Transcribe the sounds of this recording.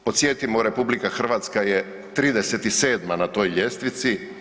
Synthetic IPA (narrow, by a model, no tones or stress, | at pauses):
po̞t̪sjeːt̪imoɾe̞publikaxr̩ʋaːt̪skaje | t̪ɾiːd̪e̞se̞t̪ise̞ːd̪manat̪o̞jʎe̞st̪ʋit̪si